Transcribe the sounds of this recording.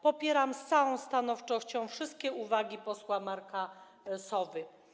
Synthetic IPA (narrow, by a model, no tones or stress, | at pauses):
pɔpʲjɛɾamst̪sawɔ̃w̃st̪anɔft͡ʂɔɕt͡ɕɔ̃w̃fʂɘst̪̚kʲɛuvaɡʲipɔswamaɾka | sɔvɘ